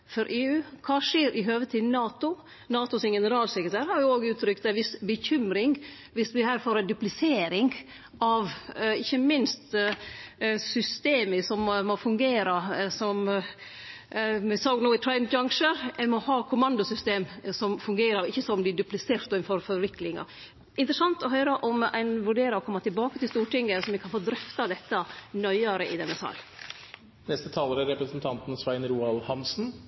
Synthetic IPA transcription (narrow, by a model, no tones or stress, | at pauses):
fɔɾʔeːʉːkʰɑːʂeːɾʔɪɦøːʋət̪ʰɪnɑːt̪ʊ | nɑːt̪ʊsɪnɡɛnəɾɑːlsɛkɾət̪ʰæːɾhɑɾjʊoːɡʉːt̪ʰɾʏkt̪æʋɪsbəçʏmɾɪŋ | ʋɪsʋɪhæːɾfoːɾɛnd̪ʉplɪseːɾɪŋ | ɑʋɪçːəmɪnst̪ | sʏst̪eːməsɔmmɔfʉŋɡeːɾɑsɔm | ɪsɑːɡnuːɪt̪ʰɾɛɪnd͡ʒɑŋʂəɾɛmɔhɑːkʰʊmɑnd̪ʊsʏst̪eːmsɔmfʉŋɡeːɾəɾɪçːəsɔmlɪːɖ̪ʉplɪseːɾt̪d̪oːɪnfɔɾfɔɾʋɪkːlɪŋɑ̰ | ɪnt̪ɾəsɑnt̪ɔɦœʏɾəʔɔmæ̰ɪnʋʉɖeːɾɑɔkʰɔmːɑt̪ʰɪlbɑːkət̪ʰɪlst̪uːʈɪŋːəsɔmʋɛkʰɑnfoːd̪ɾœft̪ɑd̪ɛt̪ːənœʏɑɾəʔɪd̪ɛnːəsɑ̰l | nɛst̪ət̪ʰɑːləɾæɾɛpɾəsnt̪ʰɑnt̪n̩sʋæɪnɾuːɑlhɑnsn̩